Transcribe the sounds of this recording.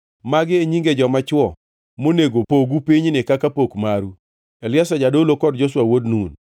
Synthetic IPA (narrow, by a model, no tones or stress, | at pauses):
maɡɪeɲiŋɡed͡ʒɔmat͡ʃwɔ | moneɡopoɡupiɲnɪkakapokmaɾu | elɪasad͡ʒadolokɔdd͡ʒoswawodnun